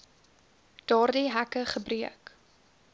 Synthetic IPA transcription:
d̥ɑːrdiɦækəχəbriək

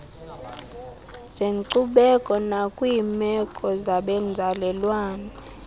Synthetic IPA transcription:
z̥eŋǀuɓɛkʼɔnakʼwiːmɛkʼɔzaɓɛnd͡zʱalɛlwaːna

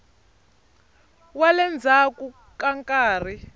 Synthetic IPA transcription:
walɛnd͡zʱaku | kaŋkʼaːr̤i

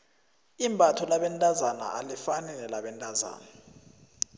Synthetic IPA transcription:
imbʱʼatʰɔlaɓɛntʼazana̰alifanɛnɛlaɓɛntʼaza̰ːna

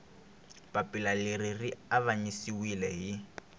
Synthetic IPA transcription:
pʼapʼilalɪririaβaɲisiwilɛɦɪ

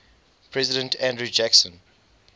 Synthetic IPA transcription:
pʰɹɛzidə̃ntʰæ̃ndɹud͡ʒæksɔ̃n

